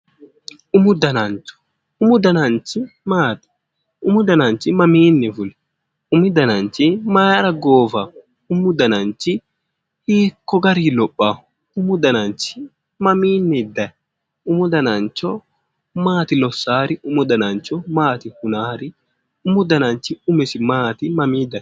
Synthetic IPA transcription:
ʊmʊd̪ɐnɐnt͡ʃɔ̥ | ʊmʊd̪ɐnɐnt͡ʃɪ | maːt̪ɪ̥ | ʊmʊd̪ɐnɐnt͡ʃːɪmɐmiːnːɪfʊlɛ | ʊmɪd̪ɐnɐnt͡ʃɪmaɾɐɡoːfɐ | ʊmʊd̪ɐnɐnt͡ʃːɪ | hiːkːɔɡɐɾiːlɔpʼːa | ʊmʊd̪ɐnɐnt͡ʃɪ̥ | mɐmiːnːɪd̪ɐ | ʊmʊd̪ɐnɐnt͡ʃːɔ | maːt̪ɪlɔsːaːɾɪʊmʊd̪ɐnɐnt͡ʃɔmaːt̪ɪhʊnaːɾɪ | ʊmʊd̪ɐnɐnt͡ʃɪʊmɪsɪmaːt̪ɪmɐmiːd̪ɐ

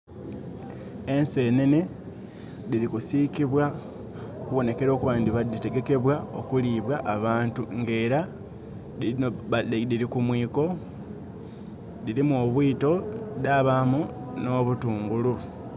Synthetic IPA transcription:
e̞nse̞ːnene | ðiɾikusikiβwa | okuβo̞ne̞ke̞ɾo̞ːkuβaːndiβadite̞ɡe̞ke̞βwao̞̰kuliːβwaʔːβaːntuŋɡe̞ːɾa | i | dilikumwiːko̞ | ðiɾimuoːβwiːto̞daβamu | no̞ːβutuːŋɡulu

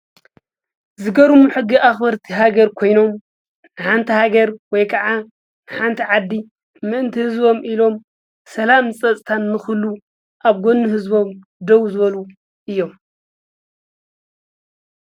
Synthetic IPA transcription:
zɨɡɐɾumuħɨɡːiʔaxbɐɾt̪ʰiɦaɡɐɾkʰo̞jno̞m | ħant̪ʰihaɡɐɾwɔjkʰɐʕa | ħant̪ʰiʕad̪ːi | mɨʔɨnt̪ʰihɨzbo̞mʔilo̞m | sɐlamsʼɐt͡sʼt̪ʰanːɨxɨlːu | ʔaβɡo̞nːɨɦɨzbo̞m | d̪ɐwzɨβɐlu | ʔɨjːo̞m

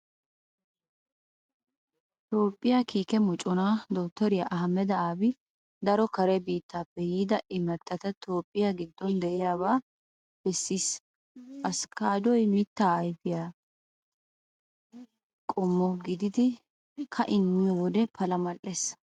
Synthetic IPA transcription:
t̪o̞ːpʼːɪjakiːkɛmɔt͡ʃʼːɔnaːd̪ɔːt̪ːɔɾɪjaʔɐɦɐmːɛd̪ɐaːbɪ | d̪ɐɾɔkɐɾɛbiːt̪ːaːpːɛjiːd̪ɐʔɪmɐt̪ʼːɐt̪ɐt̪o̞ːpʼːɪjaɡɪd̪ːɔnd̪ɛʔɪjaːβaː | b̥ɛsːiːs | ʔɐskaːd̪ɔjmit̪ːaːjbɪjaː | kʼɔmːɔɡɪd̪ɪd̪ɪ | kʰɐʔɪnːɪjɔwɔd̪ɛpʰɐlɐmɐlːes

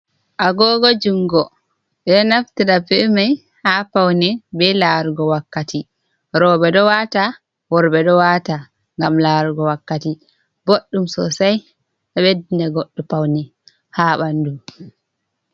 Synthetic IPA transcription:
ʔaɡɔːɡɔd͡ʒuŋɡɔ | ɓɛnaftiɗapɛmaj | hapawnɛbɛlaɾuɡɔwakːati | ɾɔːbɛdɔwaːta | wɔɾbɛɗɔwata | ŋɡamlaɾuɡɔwakːati | boɗːumsɔsaj | ɛɓɛdindɛɡoɗːupawnɛ | haɓandum

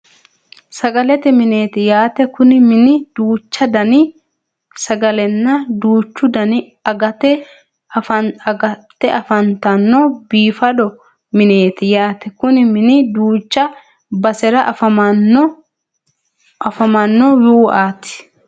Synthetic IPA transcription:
sɐɡɐlɛt̪ɛmɪne̞ːt̪ɪjaːt̪ɛkʊnɪmɪnɪd̪̥uːt͡ʃːɐd̪ɐnɪ | sɐɡɐlɛnːɐd̪uːt͡ʃːʊd̪ɐnɪ | ɐɡɐt̪ɛ | ɐɐt̪ːɛʔɐfɐnt̪ɐnːɔbiːfɐd̪ɔ | mɪne̞ːt̪ɪjaːt̪ɛkʊnɪmɪnɪd̪uːt͡ʃːɐ | bɐsɛɾɐʔfɐmɐ | ɐfɐmɐnːɔjuːʔaːt̪ɪ̥

